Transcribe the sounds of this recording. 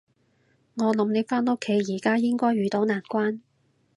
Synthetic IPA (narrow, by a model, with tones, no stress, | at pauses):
ŋɔː˨˧lɐ˨˥mne˨˧jfaː˥no˥kʰːe˨˥jjiː˨˩kaː˥jɪ˥ŋkɔː˥jɥyː˨˧t̪o˨˥wnaː˨˩nkʷaː˥n